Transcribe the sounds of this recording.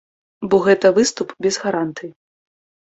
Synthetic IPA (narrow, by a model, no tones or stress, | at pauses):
bɔɣɛt̪ɐvɨst̪upbʲɛzɣaɾant̪ɨji